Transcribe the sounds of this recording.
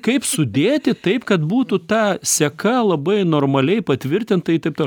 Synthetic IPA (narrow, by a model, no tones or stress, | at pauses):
kɐɪpsʊd̪ʲeːt̪ʲɪt̪ɐɪpkɐt̪buːt̪ut̪ɑːsʲɛkɐlˠɐbɐɪnoːrmɐlʲɛɪpɐt̪ʲʋʲɪɾʲt̪ʲɪnt̪ɐɪt̪ɐɪpt̪o